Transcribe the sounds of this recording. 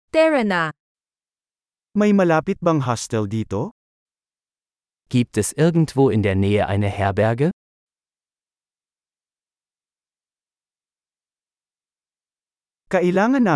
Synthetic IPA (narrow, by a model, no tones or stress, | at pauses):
t̪ɛɹɐna | mɐjmɐlaːpɪt̪̚bɐŋɦast̪ɛld̪iːt̪o̞ | ɡ̥iːp̚t̪ɛsʔɪɐɡn̩t̪voːɪnd̪eːɐnɛːəʔa̰jnɐhɛɐbɛɐɡə | kɐʔɪlaːŋɐnːa